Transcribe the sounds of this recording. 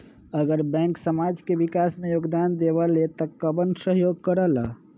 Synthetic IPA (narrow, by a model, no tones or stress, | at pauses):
əɡəɾbɛ̃ːŋksəmad͡ʒkeʋikasmẽjoːɡd̪aːnd̪eʋalet̪əkəbənsəɦjoːɡkəɾəla